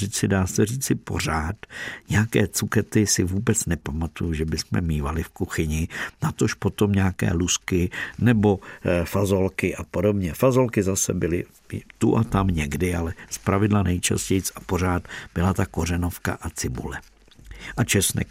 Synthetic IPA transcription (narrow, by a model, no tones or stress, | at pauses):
iːt͡sɪdaːsɛr̝iːt͡sɪpo̞̰raːt̪ɲɛakɛːt͡sukɛt̪ɪsɪvuːbɛt͡snɛpamat̪ujuʒɛbɪsmɛ̰miːvalɪfkuxɪɲɪnat̪o̞ʃpo̞t̪o̞mɲaːkɛ̰ːluskɪnɛbo̞fazo̞lkɪʔapo̞do̞bɲɛfazo̞lkɪzasɛbɪlɪ | t̪uʔat̪amɲɛɡdɪalɛspɾavɪdlanɛjt͡ʃa̰scɛjt͡sapo̞raːt̪b̥ɪlat̪ako̞rɛno̞fka̰ʔat͡sɪbṵlɛ | ʔat͡ʃɛsnɛ̰